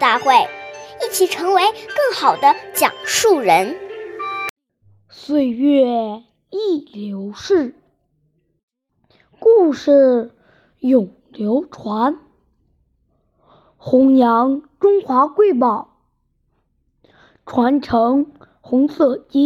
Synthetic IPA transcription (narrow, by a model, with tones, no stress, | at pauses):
t̪a˥˧xwe˥˩ɪi˥˩t͡ɕʰi˨˩ʈ͡ʂʰɤ˧˥ŋwe˧˥ɪkɤ˥˩ŋxɑ˨˩ʊd̪ə˦t͡ɕjɑ̰˨˩ŋʂu˥˩ɻə˧˥n | swe˥˧ɪɥɛ˥˧˩ | i˥˩ljo˧˥ʊʂɻ̩˥˩ | ku˥˧ʂɻ̩˥˩ | jʊ˨˩ŋljo˧˥ʊʈ͡ʂʰwa˧˥n | xʊ˧˥ŋjɑ˧˥ŋʈ͡ʂʊ˥ŋxwa˧˥kwe˥˩ɪp̬ɑ˨˩˦ʊ | ʈ͡ʂʰwa˧˥nʈ͡ʂʰɤ˧˥ŋ | xʊ˧˥ŋsɤ˥˩t͡ɕi˥